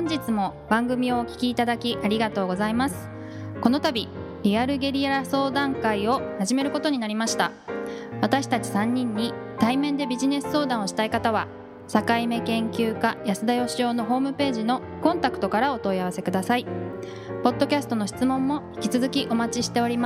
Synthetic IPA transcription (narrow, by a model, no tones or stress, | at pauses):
hõɲ̟d͡ʑit͡sɨmo̞bãŋɡɯ̟mʲio̞ːkʲi̥kʲiːt̪ad̪akʲiʔaɾʲiɡat̪o̞ːɡo̞zaimasɨ̥ | ko̞no̞t̪abʲi | ɾʲiaɾɯ̟ɡe̞ɾʲiaɾaso̞ːd̪ãŋkaio̞haʑime̞ɾɯ̟ko̞t̪o̞ɲ̟inaɾʲimaɕi̥t̪a | β̞at̪aɕi̥t̪at͡ɕi̥sãɲ̟ːĩɲ̟ːit̪aimẽ̞nd̪e̞bʲiʑine̞sɨ̥so̞ːd̪ãɰ̃o̞ɕi̥t̪aikat̪aβa | sakaime̞kẽ̞ŋkʲɨːkajasɨd̪ajo̞ɕio̞ːno̞ɦo̞ːmɯ̟pe̞ːʑino̞ | kõ̞nt̪akɯ̥t̪o̞kaɾao̞t̪o̞iaβase̞kɯ̟d̪asai | po̞d̪ːo̞kʲasɨ̥t̪o̞no̞ɕi̥t͡sɨmõ̞mːo̞çʲi̥kʲi̥t͡sɨzɨkʲiʔo̞mat͡ɕiɕi̥t̪e̞o̞ɾʲima